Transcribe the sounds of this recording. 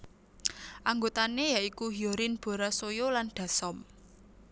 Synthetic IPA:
ʔaŋɡot̪anejaʔikuɦioɾɪnb̥o̤ɾasojolanɖ̪̥a̤sɔm

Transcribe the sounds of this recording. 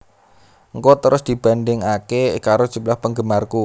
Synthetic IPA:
ŋkɔt̪əɾʊsd̪̥i̤b̥a̤ndɪŋakekaɾod̥ʒ̥ṳmlahpəŋɡəmarku

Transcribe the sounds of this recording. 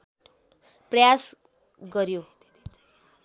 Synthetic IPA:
prʌjas | ɡʌɾjo

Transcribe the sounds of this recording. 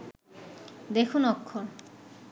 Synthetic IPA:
d̪ekʰunɔkʰːon

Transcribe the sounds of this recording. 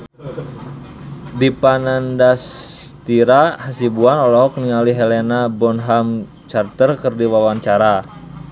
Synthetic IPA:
dipanandast̪iɾahasibuanɔlɔɦɔkniŋaliɦelenabɔnɦam | t͡ʃart̪ərkərdiwawaɲt͡ʃaɾa

